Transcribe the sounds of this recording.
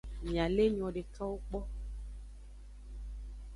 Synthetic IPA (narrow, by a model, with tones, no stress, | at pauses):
mĩ˨a˨le˦ɲ˨ɔ̃˨ɖe˨ka˦wo˦k͡pɔ˦